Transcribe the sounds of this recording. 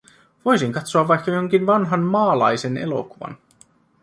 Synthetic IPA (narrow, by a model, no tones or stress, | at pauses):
ʋo̞jsiŋkɑt̪soɑʋːɑjkːɑjoŋk̟inʋɑnɦɑnmɑːlɑ̰jse̞ne̞̰lo̞̰kuʋɑ̰n